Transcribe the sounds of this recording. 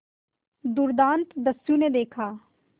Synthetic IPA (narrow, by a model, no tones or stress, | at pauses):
d̪ʊɾd̪ãːnt̪d̪ɐsjõned̪eːkʰaː